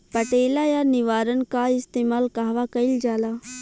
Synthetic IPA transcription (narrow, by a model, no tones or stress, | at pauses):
pɐʈeːlajanɪʋaːɾənkaɪst̪eːmaːlkaɦʋakɐild͡ʒaːla